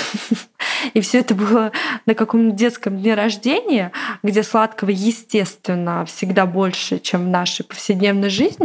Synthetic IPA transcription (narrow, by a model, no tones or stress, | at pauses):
ifsʲɵɛt̪əbɨlˠənəkɐko̞mt̪ədʲe̞t̪skəmd̪ʲnʲeɾɐʐdʲenʲɪjəɡdʲe̞slˠat̪kəvəjɪsʲtʲe̞st̪vʲɪnːəfsʲɪɡd̪abo̞lʲʂɨ̰t͡ɕe̞mvnaʂəjpə̥fsʲɪdʲnʲe̞vnəjʐɨzʲnʲɪ